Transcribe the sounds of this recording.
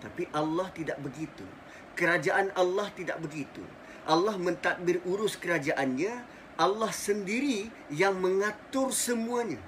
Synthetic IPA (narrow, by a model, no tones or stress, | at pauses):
t̪apiʔalːaht̪idaʔbəɡit̪ṵ | kəɾad͡ʒaʔanalːaht̪ida̰ʔ̚bəɡit̪ṵ | ʔalːahmə̃nt̪ak̚bɪruɾʊskəɾad͡ʒaʔanɲã | ʔalːahsəndiɾi | jaŋməŋat̪ʊrsəmuaɲã